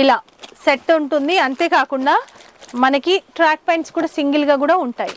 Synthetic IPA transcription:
ilaː | seʈːuɳʈund̪iɐnt̪e̞ːkaːkuɳɖaː | mɐnɐkiʈɾaːk̚pɐjɳʈskuːɽaːsiŋɡilɡaːk̬uːɽaːuɳʈaːji

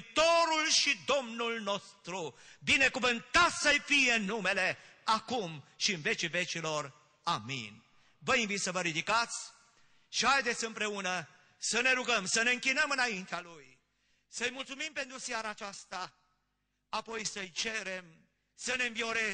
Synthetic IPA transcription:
t̪o̞ɾulʃid̪o̞mnulno̞st̪ɾubine̞kuvɨnt̪at̪səjfije̞ɨnːume̞le̞akumʃiɨnve̞t͡ʃive̞t͡ʃilo̞r | amḭn | vəiɱvit̪səvəɾid̪ikat̪sʲ | ʃihajd̪et̪sʲɨmpɾe̞unə | səne̞ɾuɡəmsəneɨŋkʲinəmɨnaint̪ealuj | səjmult̪sumimpe̞nt̪ɾusijaɾaːt͡ʃast̪a | apo̞jsəjt͡ʃeɾe̞m | səne̞ɨɱvio̞ɾe

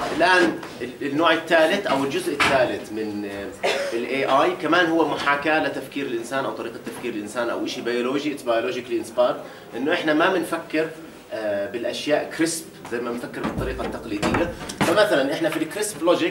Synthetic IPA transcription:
ʔɪlʔaːn | ɪnːoːʕɪt̪ːaːlɪt̪ʔawɪld͡ʒʊzʔɪt̪ːaːlɪt̪mɪn | ɪlʔeːʔaːjkamaːnɦʊwːamʊħaːkalɪt̪afkiːɾɪlʔɪnsaːnʔawt̪ˤɑɾiːqat̪ːafkiːɾɪlʔɪnsaːnʔa̰wʔɪʃibajoloːʒiʔt̪bajoloːd͡ʒɪklʔɪnspɑːɾt̪ | ʔɪnːʊʔɪħnamabɪnfakːɪɾ | bɪlʔaʃjaːʔkɾɪspzajmabɪnfakːɪɾbɨt̪ˤːɑɾiːqɑt̪ːaqliːd̪ɪjːafamaθalanʔɪħnafilkɾɪsbloːd͡ʒɪk

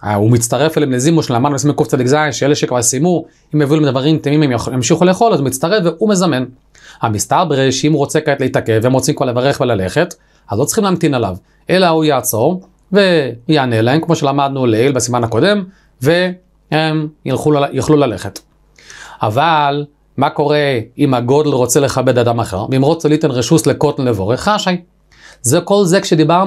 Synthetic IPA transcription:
umit͡staʁe̞felemlezimoʃelamad̪nubesmejkuft͡sad̪ikzainʃeeleʃekvaʁsimu | imeviulemd̪vaʁimt̪imimemjamʃiχule̞ːχo̞lazumitt͡st̪aʁe̞fveume̞zame̞n | hamistaʁbʁeʃimuʁo̞t͡sekaetleitake̞veemʁot͡simkvaʁle̞vaʁe̞χvelale̞χe̞t | azlo̞t͡siχimleaːmt̪inala̰v | e̞laujaːt͡so̞ʁ | ve̞jaanelahemkmo̞ʃelamad̪nuleelbasimanako̞de̞m | ve | hemilχujaχlulale̞χet | a̰val | mako̞ʁeimaɡo̞d̪lʁo̞t͡sele̞χabe̞d̪ad̪amaχe̞̰ʁveimʁo̞t͡selit̪enʁeʃusleko̞t̪n̩levo̞ʁeχaʃaj | zeko̞lzekʃed̪ibaʁ

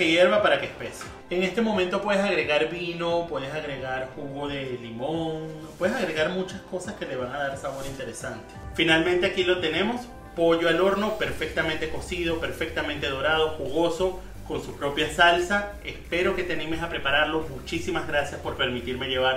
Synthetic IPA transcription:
keje̞ɾβapaɾakespe̞se | eŋe̞st̪e̞mo̞ment̪o̞pwe̞ð̞es̬aɣɾe̞ɣaɾβino̞pweðesaɣɾe̞ɣaɾxuɣoðe̞limoŋpwe̞ðes̬aɣɾe̞ɣaɾmut͡ʃasko̞saske̞le̞β̞aŋaðaɾsaβo̞ɾint̪e̞ɾe̞sant̪efinalmẽnt̪e̞akilo̞t̪e̞ne̞mo̞s | po̞ʝoalo̞ɾno̞pe̞ɾfe̞k̚t̪ament̪e̞ko̞sið̞o̞pe̞ɾfe̞k̚t̪ament̪e̞ðo̞ɾað̞o̞xuɣo̞so̞ | ko̞nsupɾo̞pjasalsa | e̞spe̞ɾo̞ke̞t̪eanime̞sapɾe̞paɾaɾlo̞zmut͡ʃisimazɣɾasjaspo̞ɾpe̞ɾmit̪iɾme̞ʝe̞βaɾ

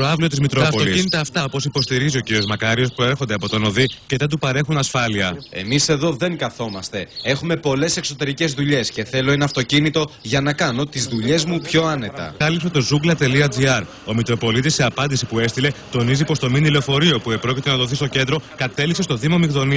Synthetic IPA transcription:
t̪ɾoɐvlio̞t̪izmit̪ɾoɐpot̪licinit̪ɐːft̪ɐopo̞sipo̞st̪iɾizio̞ciɾio̞zmɐkɐɾio̞spɾo̞e̞ɾxo̞nd̪e̞ɐpo̞t̪o̞no̞ðicet̪ɐt̪upɐɾe̞xunɐsfɐliɐe̞̰mise̞ðo̞ðe̞ŋkɐθo̞mɐst̪e̞e̞xume̞po̞le̞se̞kso̞t̪e̞ɾice̞zðuʎe̞sce̞θe̞lo̞e̞nɐft̪o̞cinit̪o̞ʝɐnɐkɐno̞t̪izðuʎe̞zmupço̞ɐne̞t̪ɐ̰ɐlipset̪o̞zuɡlɐt̪e̞liɐd͡ziɐɾ | o̞mit̪ɾo̞po̞lit̪isːe̞ɐpɐnd̪isipue̞st̪ile̞t̪o̞nizipo̞st̪o̞minilo̞fo̞ɾio̞puepɾo̞cit̪enɐt̪oθist̪o̞ce̞nd̪ɾo̞kɐt̪e̞lipse̞st̪o̞ðimo̞mikðo̞ni

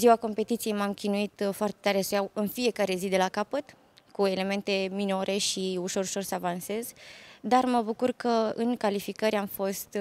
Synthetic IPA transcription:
ziwako̞mpe̞t̪it̪sije̞jmamkʲinuit̪foart̪e̞̥t̪aɾesəjawɨnfie̞kaɾe̞zid̪e̞lakapət̪ | kue̞le̞me̞nt̪e̞mino̞ɾʔe̞ʃiuʃo̞ɾuʃo̞rsəavanse̞zd̪arməbukurkəɨŋkalifikəɾʲamfo̞st̪

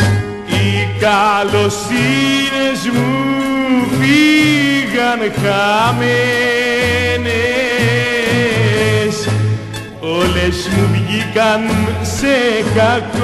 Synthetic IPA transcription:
ikalosinezmu | vi | ɣankame | ne | s | olesmuβiɣikansekak

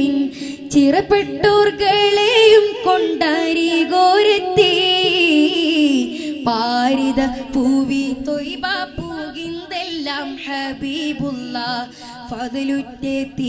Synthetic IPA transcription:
in | t͡ɕirɐpːeʈːoːrɡɐɭejumkoɳɖaːɾiɡoːɾɐt̪ːi | paːɾiðɐpuːbit̪ojbaːpuːɣind̪elːaːmħɐbiːbulːaː | fɐðɐlutːet̪ːi

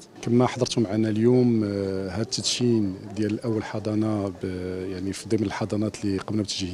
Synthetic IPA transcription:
kəmːæħd̪ˤəɾt̪hʊmʕanæljumhæd̪̚t̪ːət̪ind̪jæləlʔæwːəlħɑd̪ˤɑnɑbjaʕnifid̪ˤəmːnəlħɑd̪ˤɑnɑt̪liqəbnæbt̪ːəʒih

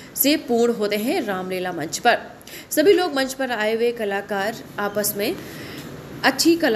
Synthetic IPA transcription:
sepuːɽ̃ɦoːt̪eɦɛ̃ɾaːmleːlamɐ̃nt͡ʃpɐɾ | sɐbʱiloːɡmɐ̃ɲt͡ʃʰpɐɾaːewekɐlaːkaːɾaːpəsmẽ | ɐtːʃʰikɐl

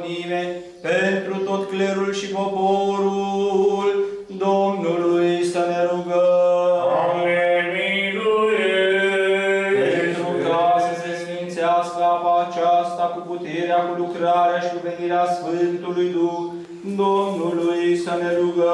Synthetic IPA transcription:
nive | pent̪ɾut̪o̞t̪kleɾulʃipo̞poɾul | d̪o̞mnuluujsəne̞ɾuɡə | eminuɾe | pent̪ɾukasəsesint̪seaskəapaːt͡ʃast̪akuput̪eɾeakulukɾaɾeaʃikuve̞niɾeasfɨnt̪ulujd̪ux | d̪o̞mnulujsəne̞ɾuɡə

